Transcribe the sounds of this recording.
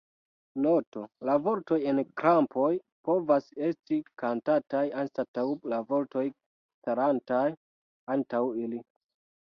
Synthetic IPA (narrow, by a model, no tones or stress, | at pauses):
no̞to̞lavo̞ɾto̞je̞nkɾampʰo̞j | po̞vase̞stikantatajanstatawlavo̞ɾto̞j | staɾantaj | antawili